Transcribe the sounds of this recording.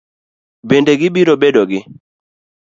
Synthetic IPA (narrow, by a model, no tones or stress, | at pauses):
bendeɡɪbiɾobedoɡɪ